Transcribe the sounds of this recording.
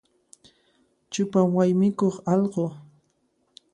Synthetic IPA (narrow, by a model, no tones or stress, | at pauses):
t͡ʃʊpamwajmɪkoχɑlɢo